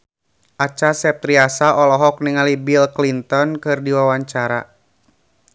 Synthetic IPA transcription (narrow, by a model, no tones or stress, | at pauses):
ʔat͡ʃasɛp̚t̪ɾiasaʔɔlɔɦɔk̚niŋalibilklint̪ɔnkɨrdiwawaɲt͡ʃaɾa̰